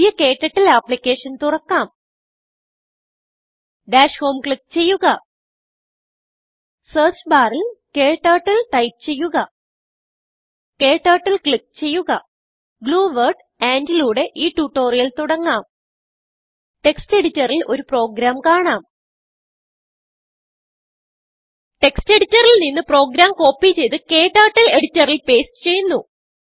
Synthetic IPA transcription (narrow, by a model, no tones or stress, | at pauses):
ijɐke̞ːʈːɐʈːilapːlikʲːe̞ːʂɐnt̪urɐkːaːm | ɖaːʂho̞ːmkɭik̚t͡ɕe̞jːuɣɐ | seːt͡ɕbaːrilkeːʈːaːʈːɐlʈɐjp̚t͡ɕe̞jːuɣɐ | ke̞ːʈːaːʈːɐlkɭik̚t͡ɕe̞jːuɣɐ | ɡluːʋɐrɖ | eːnd͡ʑɐluːɽe̞ʔiːʈuːʈːo̞ːrijɐlt̪uɽɐŋːaːm | ʈe̞kste̞ɽitːɐrilʔo̞̰ɾupro̞ːɡɾaːmkaːɳaːm | ʈe̞kste̞ɽitːɐrilninːɨpro̞ːɡɾaːmko̞ːpːit͡ɕe̞jt̪ɨke̞ːʈːaːʈːɐle̞ɽitːɐrilpe̞ːstɨ̥t͡ɕe̞junːu